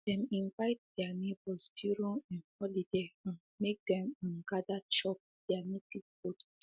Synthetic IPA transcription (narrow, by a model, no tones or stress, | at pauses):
d̥ɛ̃mĩnvaɪt̚d̥ɛanebɔsdiɹõɛ̃nhɔlideãn | mek̚dɛ̃mɔ̃nɡadat͡ʃɔp̚ | d̥ɛanetisbot